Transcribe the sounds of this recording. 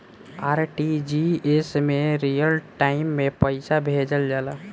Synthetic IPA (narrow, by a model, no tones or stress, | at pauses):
aːɾʈid͡ʒiesmeɾijəlʈaɪmːepəɪsabʱed͡ʒəld͡ʒala